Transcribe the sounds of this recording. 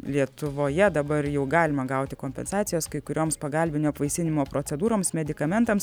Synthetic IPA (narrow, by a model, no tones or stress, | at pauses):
lʲiɛt̪ʊʋoːjɛd̪ɐbɐrjɛʊɡɑːlʲɪmɐɡɐʊt̪ʲɪkoːmʲpʲɛ̰nsɑːt̪ʲɪjoːskɐɪkʊɾʲoːmspɐɡɑlʲbʲɪnʲoːɐpʋɐɪsʲɪnʲɪmoːpɾoːt͡s̪ʲɛd̪uːɾoːmsmʲɛd̪ʲɪkɐmʲɛnt̪ɐms